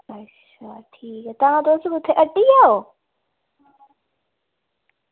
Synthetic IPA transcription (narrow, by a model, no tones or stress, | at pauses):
ɐ | aʈʰiːkɛt̪ɐʋ̤ãd̪oːst̪bʊt̪ʰeʔɐʈiaɦo